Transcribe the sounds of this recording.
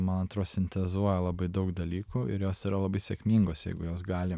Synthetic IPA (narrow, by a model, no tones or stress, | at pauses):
mɐnɐnt̪ɾoːsʲɪnʲt̪ʲɛzuɔjɛlˠɐbɐɪd̪ɐʊkd̪ɐlʲiːkuːʔɪ̰ɾjoːsiɾɐlˠɐbɐɪsʲɛkʲmʲiːŋɡoːsjɛ̰ɪɡʊjoːs̬ɡɑːlʲɪ